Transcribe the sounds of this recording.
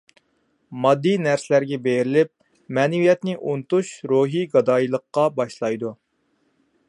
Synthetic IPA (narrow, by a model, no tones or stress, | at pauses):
mɑd̪ːijnæɾsɪlæɾɡʲɛbejɪɾɪlɪp̚ | mɛːnɛwijɛt̪nɪʔunt̪uʃɾoɦiɡɑd̪ɑːjilˠəqːɑbɑʃlˠɑjd̪u